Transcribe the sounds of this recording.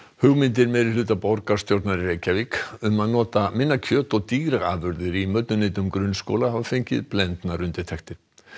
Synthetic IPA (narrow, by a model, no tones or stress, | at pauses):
hʏɣmɪnt̪̬ɪɾmɛðɾɪlʏːt̪apowɾkaɾ̥st̪jowɾt̪naɾreːjcavikʏmaðnɔːt̪amɪnːacʰœːt̪ɔɣt̪iːɣɾaa̰ːvʏɾðɪɾimœt̪nʏneɪːt̪ʏmkɾʏnsko̰wlahavafeɲcɪðplɛnt̪naɾʏnt̪ɪt̪ʰɛxt̪ɪɾ̥